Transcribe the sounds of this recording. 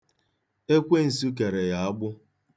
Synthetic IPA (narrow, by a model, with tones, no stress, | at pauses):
e˦kʷe˦n̩˨su˦k̬e˨ɾe˨ja˨a˦ɡ͡bʊ˦